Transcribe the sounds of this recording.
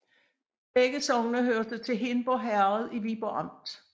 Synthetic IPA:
b̥eɡ̥əsɒ̽ŋnəɦøɐd̥ət͡sʰe̝ɦenb̥ɒɦæɐð̩ˠiʋib̥oɑm̰d̥

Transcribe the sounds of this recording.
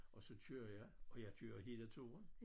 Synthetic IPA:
ʔɒ̽sɒ̽t͡sʰøːɐ̰jɑ̈ɪɒ̽jɑ̈ɪt͡sʰøːɐɦe̝ːlət͡sʰo̝ːn

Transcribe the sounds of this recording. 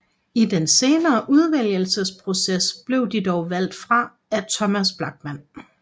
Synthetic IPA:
id̥ense̝ːnɐːʔuð̞ˠʋel̰jəl̩səspʰʁo̝sesb̥le̝ʊd̥id̥ɒʊʋæl̰d̥fʁɑ̈ | æt͡sʰɒ̽mæsb̥lɑ̈ɡ̥̚mæn̰

